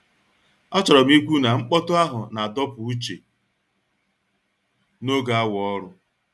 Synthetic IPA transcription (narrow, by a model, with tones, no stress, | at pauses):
ɔ˦t͡ʃɔ˨ɾɔ˨m̩˦i˦kʷu˦na˨ŋ͡m̩˦k͡pɔ˦tʊ˦a˦ɦʊ̰˨na˨a˨dɔ˦pʊ˨u˦t͡ʃḛ˨ | no˦ɡa˨a˦wɔ˦ɾʊ˦